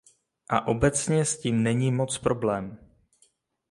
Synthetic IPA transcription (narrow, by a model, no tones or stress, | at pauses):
ʔa̰ʔo̞bɛt͡sɲɛsciːmnɛɲiːmo̞t͡spɾo̞blɛːm